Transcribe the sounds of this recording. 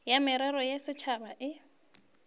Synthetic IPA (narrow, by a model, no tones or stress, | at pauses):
jamɪɾɛɾɔjasɪt͡ʃʰabaʔɪ